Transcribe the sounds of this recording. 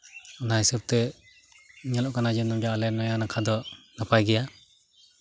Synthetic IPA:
nahisɯp̚t̪ɛ | ɲɛlɔʔkanad͡ʒɯnɔmd͡ʒaalɛnɔjanakʰad̪ɔnapʰajɡɛja

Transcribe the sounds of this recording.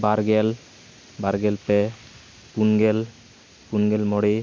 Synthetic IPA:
baɾɡɛl | baɾɡɛlpɛ | kunɡɛl | punɡɛlmɔɽi

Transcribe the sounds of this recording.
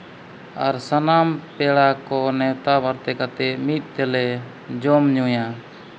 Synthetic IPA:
aɾsanampɛɽakɔnɛwt̪abaɾt̪ɛkat̪ɛmit̪̚ˀt̪ɛlɛ | d͡ʒɔmɲuja

